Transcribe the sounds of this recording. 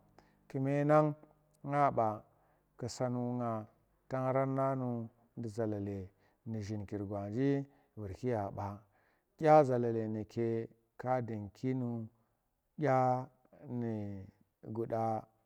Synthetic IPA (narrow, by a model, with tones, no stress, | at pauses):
ki˨me˦na˦ŋ | ŋa˦ɓa˨ | ki˨sa˨˦nu˨˦ŋa˨ | ta˦ŋɾa˦nːa˦nu˨ | di˨za˨la˨le˨ | ni˨ʒi˨nki˨ɾɡwa˨nd͡ʒi˦ | vi˨ɾki˦ja˨ɓa˨ | ɡʲa˦za˨la˨le˨ni˨kʰe˦ | ka˦di˨ŋkʰi˦nu˨ | ɡʲa˦ | ni˨ | ɡu˨da˦